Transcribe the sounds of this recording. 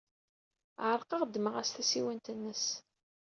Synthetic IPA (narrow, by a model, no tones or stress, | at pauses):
ʕəɾˤqɑʁd̪məʁæsθæsiwənt̪ənːəs